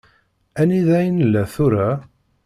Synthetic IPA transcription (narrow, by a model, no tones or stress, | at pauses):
æniðæjənəlːæθʊɾæ